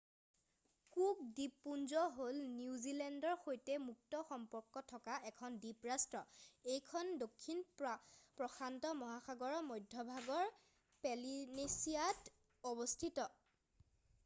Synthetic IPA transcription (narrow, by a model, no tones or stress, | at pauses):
kukdipːunzɔɦolniuzilɛndɔɹxojtɛmuk̚tɔxɔmpɔɹkːɔtʰːɔkaɛkʰɔndipɹastɹɔejkʰɔndokʰːin | pɹɔxʰantɔmɔɦaxaɡɔɹɔmojdʱːɔbʱaɡɔɹ | pɛlinesiat | ɔbɔstʰitɔ